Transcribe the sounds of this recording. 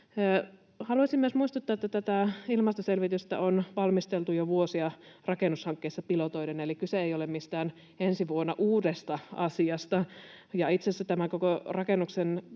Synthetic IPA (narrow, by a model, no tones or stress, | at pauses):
hɑluɑsimyøsmuist̪ut̪ːɑet̪ːæt̪æt̪æilmɑst̪oselʋit̪yst̪æ̰ʔonʋɑlmist̪elt̪ujoʋuosiɑrɑkenushɑŋkːeːsːɑpilot̪oidenelikkyseejolemmist̪æːn | ensiʋuonːɑʔuːdest̪ɑɑsiɑst̪ɑjɑit̪sesːæt̪æmæŋkokorɑkenːuksen